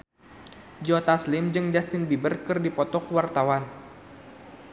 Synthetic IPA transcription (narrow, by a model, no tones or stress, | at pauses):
d͡ʒɔt̪aslɪmd͡ʒɨŋd͡ʒast̪ɪnbibərkɨrdipɔt̪ɔkəwart̪awan